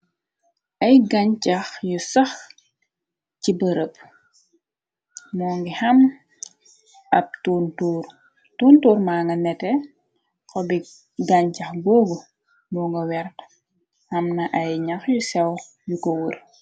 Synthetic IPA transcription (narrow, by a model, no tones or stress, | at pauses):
ʔɐjɡaɲt͡ʃɐxjusɐx | cibɐɾəp̚ | mɔːŋɡihɐm | ɐp̚tuːntuːɾ | tuːntuːɾmaːŋɡɐnɛtɛ | kɔbi | ɡɐɲt͡ʃɐxɡɔːɡu | mɔŋɡɐwɛɾt | hɐmnɐʔɐjɲɐxjusɛw | jukɔwur